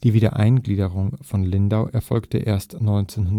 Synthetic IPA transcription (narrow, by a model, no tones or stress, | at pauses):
d̥iːviːdɐʔaɪnɡliːdəʁʊŋfɔnlɪndaʊʔɛɐfɔlktə̰ʔḛːɐstnɔʏnt͡seːnhʊnd